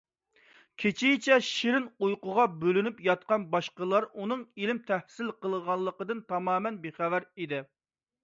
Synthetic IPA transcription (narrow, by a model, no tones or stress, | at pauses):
kʲʰet͡ʃʰijɪt͡ʃʰɛʃiɾɪnujqʊʁɑbølynypjɑt̪̚qɑnbɑʃqəlˠɑɾunɨŋilɪmt̪ʰɛhsɪlqəlˠəʁɑnlˠːəqəd̪ɨnt̪ʰɑmɑːmɛnbeχævæɾid̪ɪ